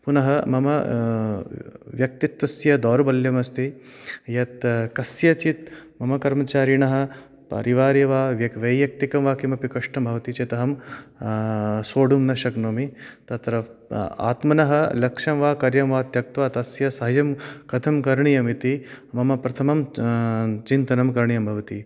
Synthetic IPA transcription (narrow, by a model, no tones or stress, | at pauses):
punɐɦɐmɐmɐ | ʋjɐk̚t̪it̪ʋɐsjɐd̪ɔːɾbɐljɐmɐst̪i | jɐt̪kɐsjɐt͡ʃit̪̚mɐmɐkɐɾmɐt͡ʃaːɾiɳɐɦɐ̆ | pɐ̰ɾiʋaːɾjɐʋaːʋjɐkʋɐjjɐk̚t̪ikɐmʋaːkimɐpikɐʂʈɐmbʱɐʋɐt̪it͡ʃeːt̪ɐɦɐm | soːɽumnɐʃɐknoːmit̪ɐt̪ɾɐa̰ːt̪mɐnɐɦɐlɐkʂɐmʋaːkɐɾjɐmʋaːt̪jɐk̚t̪ʋaːt̪ɐsjɐsɐɦɐjɐmkɐt̪ʰɐmkɐɾɳijɐmit̪imɐmɐpɾɐt̪ʰɐmɐm | t͡ʃint̪ɐnɐmkɐɾɳijɐmbʱɐʋɐt̪iː